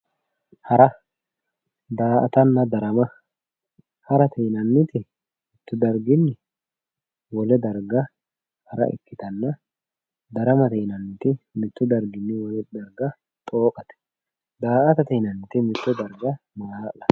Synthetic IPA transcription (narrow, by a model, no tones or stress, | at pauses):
hɐɾɐ | d̪aːʔɐt̪ɐnːɐd̪ɐɾɐmɐ | hɐɾɐt̪ɛːnɐnːɪt̪ɪ | mɪt̪ːʊd̪ɐɾɡɪnːɪ | wɔlɛd̪ɐɾɡɐ | hɐɾɐ̰ʔɪ̰kːɪt̪ɐnːɐ | d̪ɐɾɐmɐt̪ɛːnɐnːɪt̪ɪmɪt̪ːʊd̪ɐɾɡɪnːɪwɔlɛd̪ɐɾɡɐ | t̪ʼo̞ːkʼɐt̪ɛ̥ | d̪aːʔɐt̪ɐt̪ɛːnɐnːɪt̪ɪmɪt̪ːʊd̪ɐɾɡɐmaːlɐ